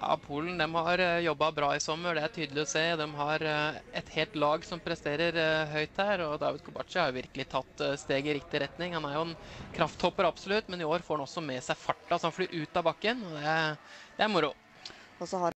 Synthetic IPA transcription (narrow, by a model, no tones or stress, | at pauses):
jɑ̰ːpʰuːlənd̪ɛmhɑɾjɔbːɑbɾɑːɪsɔmːəɖɛæʈʰyːd̪əlɪɔseːd̪ɛmɦɑɾɛt̪heːlt̪lɑːɡsɔmpʰɾɛst̪eːɾəɾɦœʏt̪hæːɾɔd̪ɑ̰ːʋɪd̪̚kʰʊbɑ̰ʈt͡ʃɪhɑɾjʊʋɪɾkəlɪt̪ʰɑt̪ːst̪eːɡɪɾɪkt̪ɪɾɛt̪nɪŋhɑnæɾjʊɛnkʰɾɑft̪hɔpːəɾɑbsɔlʉt̪mɛnɪoːɾfoːɾɖɛnɔsːɔmɛsæɪfɑʈːɑsɔhɑnflyːɾʔʉːt̪ɑbɑkːənɔd̪ɛæd̪̥ɛæɾmʊɾʊ | ɔsɔɑ